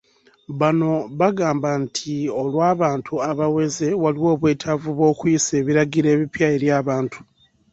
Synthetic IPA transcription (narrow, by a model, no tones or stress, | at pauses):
βano̞βaɡaːmbantʰio̞lwaːβaːntʰuaβawe̞ze̞waliwo̞ːβwe̞ːtʰavuβo̞ːkujise̞ːβiɾaɡiɾe̞ːβipjae̞ɾjaːβaːntu̥